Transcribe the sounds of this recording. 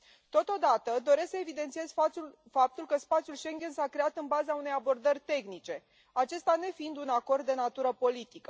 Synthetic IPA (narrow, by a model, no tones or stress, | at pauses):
t̪o̞t̪o̞d̪at̪əd̪o̞ɾe̞sksəe̞vid̪e̞nt̪sije̞z̥ʲ | fap̚t̪ulkəspat̪sijulʃe̞ŋɡʲe̞nsakɾe̞at̪ɨnbazaune̞jabo̞rd̪ərʲt̪e̞xnit͡ʃe̞ | at͡ʃe̞st̪ane̞find̪unako̞rd̪̚ːe̞nat̪uɾəpo̞lit̪ikə